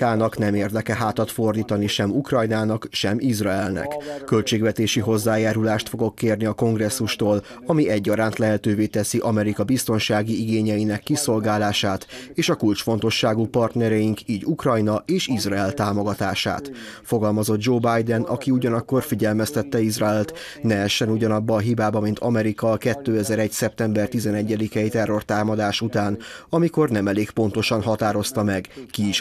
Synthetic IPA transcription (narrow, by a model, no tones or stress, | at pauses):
aːnɒknɛmeːrd̪ɛkɛɦaːt̪ɒt̪fo̞rd̪iːt̪ɒniʃɛmukrɒjnaːnɒkʃɛmʔizraɛlnɛ̰kːø̞lt͡ʃeːɡvɛt̪eːʃiɦo̞zːaːjaːɾulaːʃt̪fo̞ɡo̞kːeːrniɒko̞ŋɡrɛsːuʃt̪oːl | ɒmiɛɟːɒɾaːnt̪lɛɦɛt̪øːveːt̪ɛsiʔɒmɛɾikɒbist̪o̞nʃaːɡiiɡeːɲɛinɛkːiso̞lɡaːlaːʃaːt̪eːʃɒkult͡ʃfo̞nt̪o̞ʃːaːɡupɒrt̪nɛɾɛjiŋkiːɟukrɒjnɒeːʃizraɛlt̪aːmo̞ɡɒt̪aːʃa̰ːt̪fo̞ɡɒlmɒzo̞d̪̚d͡ʒoːbajd̪ɛnɒkiuɟɒnɒkːo̞rfiɟɛlmɛst̪ɛt̪ːɛizraɛlt̪ | nɛɛʃɛnuɟɒnɒbːɒːɦibaːbɒmint̪ʰɒmɛɾikɒːkɛt̪ːøːɛzɛɾɛcsɛp̚t̪ɛmbɛrt̪izɛnɛɟːɛd̪ikɛit̪ɛrːo̞rt̪aːmɒd̪aːʃut̪aːnɒmiko̞rnɛmɛleːkpo̞nt̪o̞ʃɒnɦɒt̪aːɾo̞st̪ɒmɛɡkiiʃ